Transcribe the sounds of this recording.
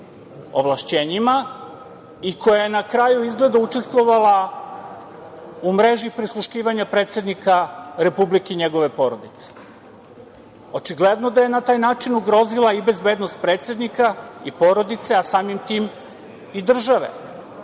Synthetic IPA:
o̰ʋlˠaʃt͡ɕeːɲima | ikojajenakɾaːjuizɡle̞d̪aut͡ʃe̞st̪ʋo̞ʋala | umɾe̞ʒipɾislˠuʃkiːʋaɲapɾe̞ːt̪se̞d̪nikaɾe̞publikeɲe̞ɡo̞ʋe̞po̞ɾo̞d̪it̪se̥ | o̞t͡ʃiɡled̪no̞d̪aje̞nat̪aːjnaːt͡ʃinuɡɾo̞zilaibe̞zbe̞ːd̪nost̪̚pɾe̞ːt̪sje̞d̪nikaipo̞ɾo̞d̪it̪seasaːmimt̪iːm | id̪r̩ʒaʋe̞̰

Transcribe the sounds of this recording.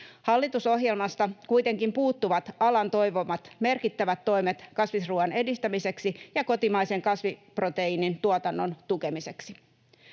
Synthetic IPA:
hɑlːit̪uso̞ɦjelmɑst̪ɑkujt̪e̞ŋkimpuːt̪ːuʋɑt̪ɑlɑnt̪o̞jʋomɑt̪me̞rkit̪ːæʋæt̪ːo̞imet̪kɑsʋisruɑne̞dist̪æmise̞ksijɑko̞t̪imɑjse̞ŋkɑsʋiprot̪e̞inint̪uot̪ɑnːo̞nt̪ukemise̞ksi̥

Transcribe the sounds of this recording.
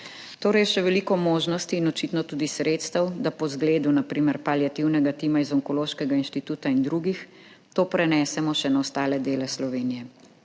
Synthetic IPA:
t̪oːɾɛjʃɛʋɛlikɔmoːʒnɔst̪iːnɔt͡ʃit̪nɔt̪uːd̪isɾet̪st̪ɐwd̪apɔzɡleːd̪unapɾiːmɛɾpaljat̪iwnɛɡat̪imaizɔŋkɔloːʃkɛɡainʃt̪it̪uːt̪aind̪ɾuɡix | t̪oːpɾɛnɛːsɛmɔʃɛnawst̪aːlɛd̪eːlɛslɔʋeːnijɛ

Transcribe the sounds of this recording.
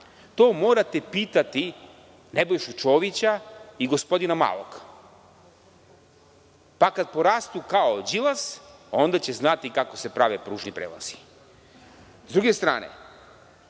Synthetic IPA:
t̪o̞ːmoːɾat̪epiːt̪at̪i | ne̞bo̞jʃut͡ʃo̞ːʋit͡ɕaiɡospo̞d̪inama̰ːlo̰k | pakad̪̚po̞ɾast̪ukaod͡ʑilˠaso̞nd̪at͡ɕe̞znat̪ikako̞se̞pɾaʋepɾuːʒnipɾeːla̰z̥i̥ | zd̪ɾuɡe̞st̪ɾa̰ːnḛ

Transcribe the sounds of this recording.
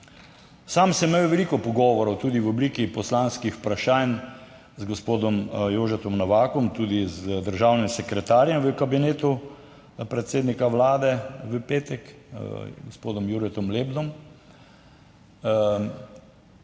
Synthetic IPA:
samsɛmejwʋɛliːkɔpɔɡɔːʋɔɾɔwt̪uːd̪iwɔbliːkipɔslanskixpɾaʃaːn | zɡɔspoːd̪ɔmjoːʒɛt̪ɔmnɔʋaːkɔmt̪uːd̪izd̪əɾʒawnimsɛkɾɛt̪aːɾjɛmʋəkabineːt̪u | pɾɛt̪seːd̪nikaʋlaːd̪ɛʋəpeːt̪ɛk | ɡospoːd̪ɔmjuɾɛt̪ɔmleːbd̪ɔm

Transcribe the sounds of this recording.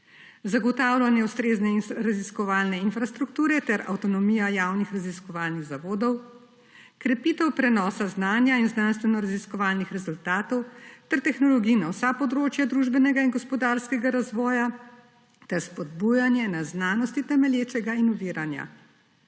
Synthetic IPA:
zaɡɔt̪awlanjɛust̪ɾeznɛɾaziskɔʋaːlnɛinfɾast̪ɾukt̪uːɾɛt̪ɛɾa̰wt̪ɔnɔmijajawnixɾaziskɔʋaːlniɣzaʋoːd̪ɔw | kɾɛpit̪ɛwpɾɛnɔːsaznaːnjainznanst̪ʋɛnɔɾaziskɔʋaːlnixɾɛzult̪aːt̪ɔwt̪ɛɾt̪ɛxnɔlɔɡinawsapɔd̪ɾoːt͡ʃjad̪ɾuʒbɛnɛɡainɡɔspɔd̪aɾskɛɡaɾazʋɔːja | t̪ɛɾspɔd̪̚bujanjɛnaznaːnɔst̪it̪ɛmɛljeːt͡ʃɛɡainuʋiːɾanja̰

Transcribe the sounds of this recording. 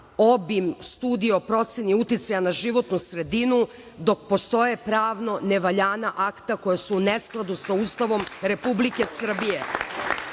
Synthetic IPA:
o̞bimst̪uːd̪iopɾo̞t̪seniut̪it̪sajanaʒiʋo̞t̪nusɾe̞d̪inu | d̪o̞k̚po̞st̪o̞je̞pɾaːʋno̞neʋaʎaːnaʔakt̪ako̞jasuːnesklˠad̪usaust̪aʋo̞mɾe̞publike̞sr̩bije̞

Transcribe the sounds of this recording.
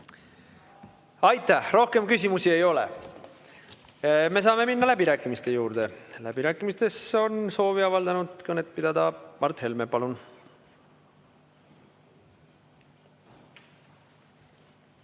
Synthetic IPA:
ɑjt̪ːˑæhro̞hke̞mkys̬ʲimusie̞jo̞lḛ | me̞s̬ɑːme̞minːɑlæb̥iɾæːkːˑimist̪e̞juːɾd̪̥e̞læ̰b̥iɾæːkːˑimist̪e̞so̞nso̞ːviɑvɑld̪ɑnud̪̥konet̪̚ːˑpid̪̥ɑd̪ɑmɑrt̪he̞lmepɑlun

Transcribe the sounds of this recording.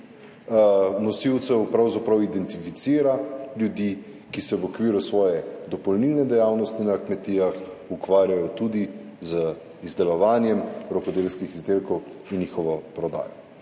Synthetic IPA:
nɔsiwt̪sɛwpɾawzapɾɐwid̪ɛnt̪ifit̪siːɾaljud̪i | kisɛʋɔkʋiːɾusʋɔːjɛd̪ɔpɔlniːlnɛd̪ɛjaːwnɔst̪inakmɛt̪ijaxukʋaːɾjajɔt̪ud̪izə | izd̪ɛlɔʋaːnjɛmɾɔkɔd̪eːlskixizd̪eːlkɔwinnixɔʋɔpɾɔd̪a̰ːjɔ

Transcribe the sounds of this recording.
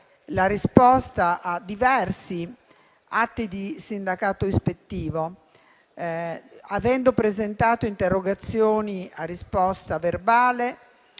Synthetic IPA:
laɾispɔst̪aʔad̪ːivɛrsi | at̪ːid̪isind̪akaːt̪oispet̪ːiːvo | avɛnd̪opɾezent̪aːt̪oint̪erːoɡat̪sːjoːniarːispɔst̪averbaːle

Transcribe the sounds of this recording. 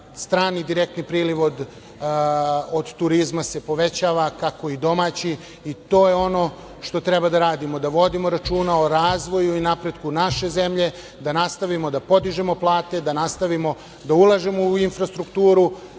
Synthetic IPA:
st̪ɾaːnid̪iɾek̚t̪nipɾiːliʋo̞d̪ | od̪t̪uɾizmase̞po̞ʋe̞t͡ɕaːʋakako̞id̪o̞maːt͡ɕi | it̪o̞ːjeo̞no̞ | ʃt̪o̞t̪ɾebad̪aɾaːd̪imo̞d̪aʋo̞d̪imoɾat͡ʃuːnaoɾaːzʋo̞juinapɾe̞d̪kunaʃe̞ze̞mʎe̞ | d̪anast̪aʋimo̞d̪apo̞d̪iʒemo̞plˠaːt̪e̞d̪anast̪aʋimo̞ | d̪aulˠaʒemo̞uinfɾast̪ɾukt̪uːɾu

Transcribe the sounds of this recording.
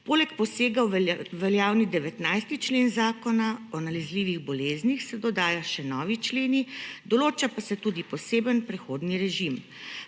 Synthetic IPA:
poːlɛkpɔseːɡaʋɛljaːwnid̪ɛʋɛt̪najst̪it͡ʃleːnzaːkɔnaɔnalɛzliːʋiɣbɔleːznixsɛd̪ɔd̪aːjaʃɛnɔːʋit͡ʃleːnid̪ɔloːt͡ʃapasɛt̪ud̪ipɔseːbənpɾɛxoːd̪niɾɛʒim

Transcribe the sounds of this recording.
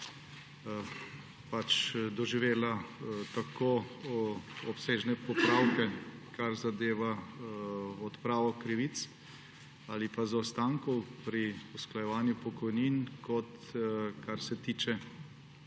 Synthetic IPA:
pat͡ʃd̪ɔʒiʋeːlat̪ako | ɔpseːʒnɛpɔpɾawkɛkaɾzad̪eːʋa | ɔt̪pɾaːʋɔkɾiʋit̪s | alipazɔwst̪aŋkɔwpɾiusklajɛʋaːnjupɔkɔjninkɔt̪kaɾsɛt̪iːt͡ʃɛ

